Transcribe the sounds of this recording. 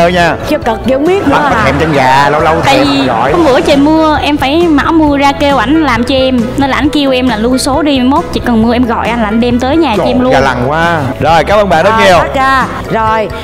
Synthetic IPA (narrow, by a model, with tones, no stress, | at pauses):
əː˧jɲaː˧˩t͡ɕɔ˧kə˨˩k̚ɗi˧˨ʊ˧˦ŋ͡mɓi˦˥ət̚n˨˦ɔ˨˦ɛ˧˩mt͡ɕə˧nɣaː˨˩lə˧wlə˧wt̪ʰa̰ː˧˨˧jvi˨˩˨ɣɔ̰˧˨jxwŋ͡mɓə̰˧˩˦t͡ɕə˨˩mɨ˧əʔɛ˧mfaː˧˩jma̰˧˩wmɨ˧əzaː˧ke˧wʔa˧˩jnlaː˨˩mt͡ɕɔ˧ʔɛ˧mnə˧lːʔa˧˩nki˧əwʔɛ˧mlaː˨˩lu˧so˨˦ɗi˧mo˦˥t̚t͡ɕḭ˧˨kɔ˨˩nmɨ˧əʔɛ˧mɣɔ̰˧˨jʔa˧n̟lːnɗɛ˧mt̪əː˨˦jɲaː˨˩t͡ɕɔ˧ɛ˧mluː˧˨la˨˩ŋkwaː˨˦zo˨˩jkaː˨˦məː˧nɓa̰ː˧˨nɗə˨˦t̚ŋi˨˩əw̚zaː˧ | zo˨˩j